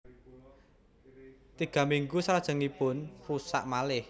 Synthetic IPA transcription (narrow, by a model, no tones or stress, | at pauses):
t̪iɡ̥ä̤miŋɡusaɾad̥ʒ̥ə̤ŋipʊnpusa̰ʔmalɪh